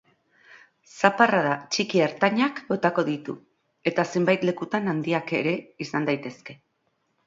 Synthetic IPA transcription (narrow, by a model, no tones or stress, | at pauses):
saparaðat͡ʃikieɾt̪aɲako̞t̪ako̞ðit̪ṵ | e̞t̪ase̞mbajt̪le̞kut̪anand̪iake̞̰ɾe̞isand̪ajt̪e̞ske̞